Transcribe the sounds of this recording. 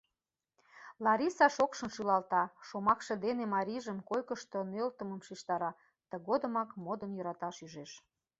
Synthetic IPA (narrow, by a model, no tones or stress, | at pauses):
lɑɾʲisɑʃokʃə̆nʃylɑlt̪ɑʃomɑkʃĕd̪enemɑɾʲiʒəmkojkə̆ʃt̪ŏnølt̪ə̆məmʃiʃt̪ɑɾɑ | t̪ə̆ɣod̪ə̆mɑkmod̪ə̆njøɾɑt̪ɑʃyʒeʃ